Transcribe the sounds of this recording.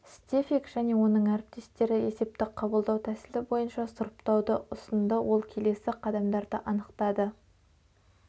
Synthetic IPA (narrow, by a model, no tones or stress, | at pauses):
sst̪ʲefikʒ̥æne̞wo̞nəɴæɾɪp̚t̪e̞st̪e̞ɾɪe̞se̞p̚t̪ɪqʰɑbəlˠd̪ɑwt̪ʰæsɪlɪbo̞jənʃɑsʊɾəpt̪ɑwd̪əʊsənd̪əwʔo̞lˠkʲʰe̞le̞sɪqʰɑd̪ɑmd̪ɑɾd̪əʔɑnəqt̪ɑd̪ə